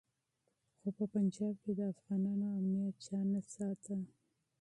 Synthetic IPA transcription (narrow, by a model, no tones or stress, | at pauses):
xopəpand͡ʒɑb̚ked̪əafɣɑnɑnoamnijat̪̚t͡ʃɑnasɑt̪a